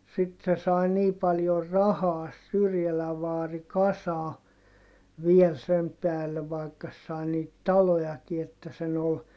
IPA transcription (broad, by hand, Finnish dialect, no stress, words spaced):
sit se sɑi niː pɑljor rɑhɑː sĕ syrjælæʋ ʋɑːri kɑsɑː ʋiel sem pæːlːe ʋɑi̯kːɑ sĕ sɑi niːt tɑlojɑki etːæ sen ol